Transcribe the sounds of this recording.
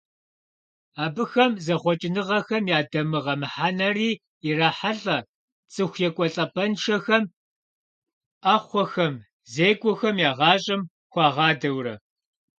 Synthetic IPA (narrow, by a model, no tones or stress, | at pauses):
aːbɨxɐmzɐχʷɔt͡ʃʼɪnɨʁɐxɐmjaːdɐmɨʁɐmɨħanɐriː | iraːħaɬʼɐ | t͡sʼɨxʷjɛkʷʼɔɬʼɐpʰɐnʂɐxɐm | aːχʷɔxɐm | zeːɡʷɔxɐmjaːʁɑːɕʼɪm | xʷɑːʁɑːdɐwrɐ̰